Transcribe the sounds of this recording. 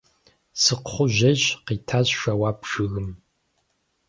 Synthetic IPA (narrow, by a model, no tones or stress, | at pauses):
sɨqχʷʊʒɐɕqiːtʰaːɕʃɐwaːpʂɨɣɨm